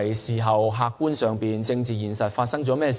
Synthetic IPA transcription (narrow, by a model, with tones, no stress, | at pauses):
jsiː˨˩ɦɐ˨wɦaː˧kkːuː˥nsœː˨ŋpiː˨nt͡sɪ˧ŋt͡siː˨jiː˨˩nsɐ˨t̚faː˧t̚sɐ˥ŋt͡sɔː˨˥mɛː˥s